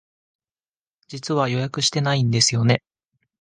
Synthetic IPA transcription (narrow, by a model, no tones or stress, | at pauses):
d͡ʑit͡sɨβajo̞jakɯ̟ɕi̥t̪e̞naĩnd̪e̞sɨjo̞ne̞